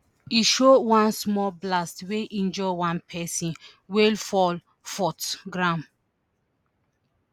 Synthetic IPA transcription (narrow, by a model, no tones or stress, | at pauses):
iʃowãnsmɔlblastweʔĩnd͡ʒɔwãnpʰɛsĩn | welfɔl | fɔtɡɹãm